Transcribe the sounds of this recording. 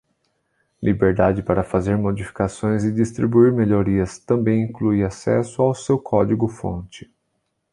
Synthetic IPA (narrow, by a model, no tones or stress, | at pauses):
lʔibeɾd̪ad͡ʒɪpaɾɐfazeɾmod͡ʒifi̥kasõj̃zɪd͡ʒist̪ɾibuiɾmeʎoɾiɐst̪ɐ̃mbẽj̃ĩklujasɛ̰sʊawsewkʰɔd͡ʒiɡʊfõ̰nt͡ʃɪ̥